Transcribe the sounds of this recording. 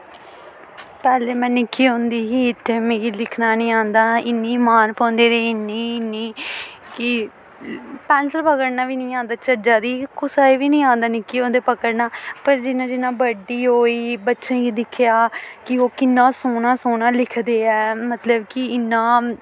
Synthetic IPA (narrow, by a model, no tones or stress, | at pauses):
pɛːleːmɛ̃ːnɪkʰːiːɦõːnd̪iːɦiːɪt̪ʰːeːmẽːkilɪkʰnaːnĩːãːnd̪aːɪnːiːmaːnpɔ̃ːnd̪eːɾeːɪniːɪnːiːkɪ | pɛːnsəlpəkəɽnaːʋiːnĩːãːnd̪aːt͡ʃəɾd͡ʒaːd̪iːkʊsaːiːʋiːnĩːãːnd̪aːnɪkːiːɦõːnd̪eːpəkəɽnaːpəɾd͡ʒɪnãːd͡ʒɪnãːbəɖiːɦoːiːbətːʃẽːɡiːd̪ɪkʰɪjaːkɪoːkɪnːãːsoːnãːsoːnaːlɪkʰd̪eːɛːmət̪ləbkɪɪnːãː